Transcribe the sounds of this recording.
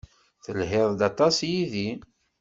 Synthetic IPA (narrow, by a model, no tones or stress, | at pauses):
θəlɦɪðˤd̪ɑt̪ˤɑsjiði